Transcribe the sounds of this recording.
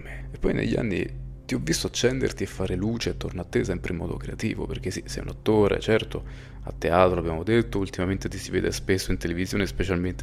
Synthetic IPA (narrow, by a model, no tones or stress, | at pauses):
meepːɔjnʔḛʎːia̰nːḭt̪iɔvːist̪oat͡ʃːɛnd̪ḛrt̪iefːaːɾeluːt͡ʃeːt̪ːornoat̪ːesɛmpɾeimɔ̰ːd̪o̰kɾeat̪ḭːvo̰perk̟esisɛ̰jṵnat̪ːoːɾḛt͡ʃɛrt̪o | a̰t̪ːeaːt̪ɾoabjaːmod̪et̪ːoult̪imament̪et̪isiveːd̪espesːoint̪elevizjoːnespet͡ʃalment̪e